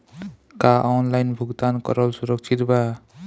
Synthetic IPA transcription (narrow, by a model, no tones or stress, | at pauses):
kaʔɔnlajnbʱuɡt̪ankɔ̰ɾʌlsuɾɔk̚t͡ʃʰit̪ba